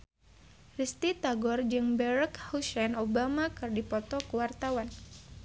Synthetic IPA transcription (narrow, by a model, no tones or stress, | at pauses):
rist̪it̪aɡɔrd͡ʒɨŋbɛɾɛkhusɛnobamakɨrdipɔt̪ɔkəwart̪awan